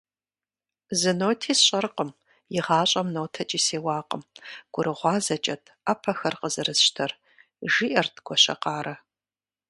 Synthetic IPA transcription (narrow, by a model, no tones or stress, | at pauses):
zɨnoːtʰiːsɕʼɐrqəm | jɪʁɑːɕʼɐmnoːtʰɐt͡ʃʼiːseːwɑːqəmɡ̥ʷʊɾɨʁʷɑːzɐt͡ʃʼɐtʰɐpʰɐxɐrqəzɨrɨsʃtʰɐr | ʒiːʔɐrtʰɡʷɔɕɐ̰qɑːɾɐ